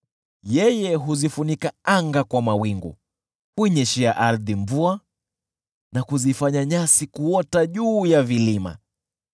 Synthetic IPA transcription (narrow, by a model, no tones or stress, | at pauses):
jɛjɛɦuzifunikaaŋɡakwamawiŋɡṵ | kuiɲɛʃɛaʔaɾðimvua | nakuzifaɲaɲasikuɔtaʄuːjavilima̰